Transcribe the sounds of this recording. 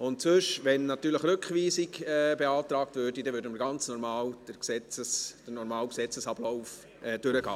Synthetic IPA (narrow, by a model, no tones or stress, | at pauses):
ʊntsøʃʋɛnːɑtyːɾləχɾʏkχʋiːsiɡɛbeɑːtɾɑːk̚tvøɾdidɛʋʏːɾdəməɾɡɑnt͡snɔɾmɑːld̥əɾksɛt͡səsd̥əɾnɔɾmɑːlksɛt͡səsɑb̥lɔʊf | ɛd̥ʏɾəɡ̥ɑ̰ː